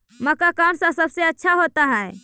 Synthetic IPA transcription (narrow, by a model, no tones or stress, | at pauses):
məkakamsãsəbseətːʃʰaɦot̪aɦɛe